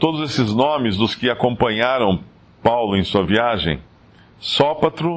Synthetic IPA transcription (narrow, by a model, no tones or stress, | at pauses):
t̪od̪ʊzesɪznõmɪzd̪ʊskɪakõmpɐ̃ɲaɾɐ̃w̃ | pawlʊẽj̃suɐviaʒḛ̃j̃ | sɔpat̪ɾʊ